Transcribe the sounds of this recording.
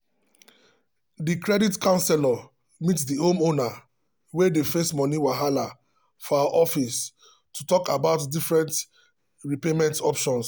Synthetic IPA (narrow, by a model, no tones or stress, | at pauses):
dikɹɛditkãʊ̃nsɛla | mitdihõmona | wedefestmɔniwaɦala | fɔawaʔɔfis | tutɔkabaʊtdifɹɛ̃nt | ɹipemɛ̃ntɔpʃɔ̃ns